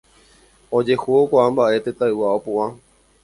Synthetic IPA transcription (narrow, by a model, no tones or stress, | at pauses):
od͡ʒe̞huokʷaʔambaʔe̞t̪et̪aɨwaopuʔã